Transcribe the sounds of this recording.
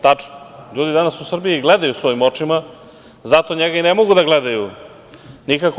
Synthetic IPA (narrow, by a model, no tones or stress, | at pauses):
t̪at͡ʃnoʎuːd̪id̪anasusr̩bijiɡled̪ajusvo̞imo̞t͡ʃima | zat̪o̞ɲeɡainemo̞ɡud̪aɡled̪aju | nikak